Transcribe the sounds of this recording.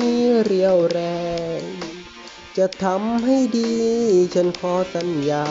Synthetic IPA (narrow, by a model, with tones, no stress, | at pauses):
iː˧˥ɾi˧əwɾɛː˧˩ | t͡ɕa˧˩t̪ʰa˧˥mɦa˥˩jdiː˧t͡ɕʰo˧˥nkʰɔː˧˦t̪a˧njaː˧